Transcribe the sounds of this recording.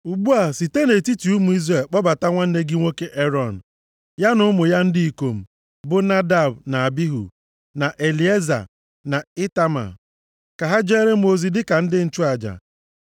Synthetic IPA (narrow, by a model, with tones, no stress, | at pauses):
u˨ɡ͡bu˦a˨si˨te˦ne˨ti˦ti˨u˦mu˨i˦zɾe˨lk͡pɔ˦ba˨ta˦ŋʷa˦n̩˦ne˦ɡi˦ŋʷo˦ke˦ʔe˦ɾɔ˨n̩˨ | ja˦nʊ˦ʊ˦mʊ˨ja˦n̩˦dɪ˦i˨ko˨m̩˨ | bʊ˦na˦da˨b̚na˨a˨bi˦ɦṵ˨ | na˨ʔe˨li˨˦e˦za̰˨ | na˨ɪ˦ta˦ma̰˨ | ka˨ɦa˦d͡ʒe˦ɾe˦m̩˦o˨zi˦dɪ˦ka˨n̩˦dɪ˦n̩˦t͡ʃu˦a˨d͡ʒa̰˨